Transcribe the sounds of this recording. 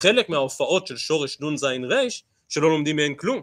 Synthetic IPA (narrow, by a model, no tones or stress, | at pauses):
χe̞le̞kmeaofaʔo̞tʃe̞lʃo̞ʁeʃnunzajnʁejʃ | ʃe̞lo̞lo̞md̪imːeenklum